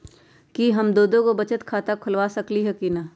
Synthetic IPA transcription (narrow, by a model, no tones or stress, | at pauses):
kiɦɐmd̪oːd̪õkobɐt͡ʃət̪kʰaːt̪akʰʊlʋaːsɐkliɦɛkina